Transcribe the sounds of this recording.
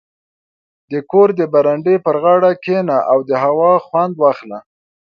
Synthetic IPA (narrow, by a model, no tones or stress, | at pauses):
d̪əkoɾd̪əbaɾaɳɖepəɾɣɑɽakenaʔawd̪əɦawɑxwand̪wɑxla